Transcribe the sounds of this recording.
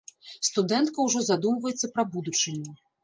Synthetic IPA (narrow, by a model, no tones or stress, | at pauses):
st̪ud̪ɛnt̪̚kɐwʐɔzad̪umvɐjɛt̪sːɐpɾɐbud̪ut͡ʂɨnʲːu